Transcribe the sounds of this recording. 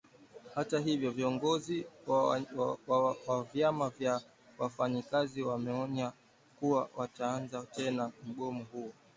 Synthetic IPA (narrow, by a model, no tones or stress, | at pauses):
hataɦivjɔviɔŋɡɔzi | wwavjamavja | wafaɲikaziwamɛɔɲa | kuwawataanzatɛnam̩ɠɔmɔhuɔ